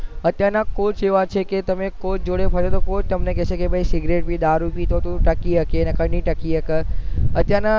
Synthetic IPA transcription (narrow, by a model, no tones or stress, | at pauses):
ɐt̪janãkoːt͡ʃeoat͡ʃʰeket̪ɐmẽkoːt͡ʃd͡ʒoːɽepʰɐɾot̪ʰokoːt͡ʃt̪ɐmnekesekebʱəisɪɡɾeːʈ̚bʱid̪aːɾupit̪ʰot̪uʈɐkiɐkenɐkɐɽniʈɐkiɦɐkəɐt̪jãna